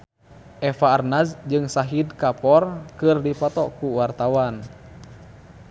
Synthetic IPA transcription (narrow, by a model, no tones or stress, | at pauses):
ʔɛfaːrnazd͡ʒɨŋsaɦidkapɔrkɨrdipɔt̪ɔkuwart̪awan